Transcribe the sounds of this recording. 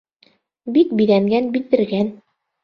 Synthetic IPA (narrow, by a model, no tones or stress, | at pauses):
bikbiðæŋɡænbild̪ɘ̆ɾɡæn